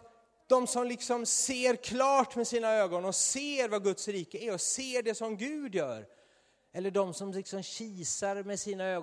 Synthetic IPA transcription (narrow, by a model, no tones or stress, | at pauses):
d̪̥ɔmsɔmlɪksɔmseːɾkʰlɑːʈmɛsiːnaøːɡɔnɔseːɾvaɡɵt̪sɾiːkəæɾɔseːɖɛsɔmɡʉ̟ːd̪jœːɾ | ɛlːəɖɔmsɔmlɪksɔmɕiːsaɾmɛsiːnaøːɡ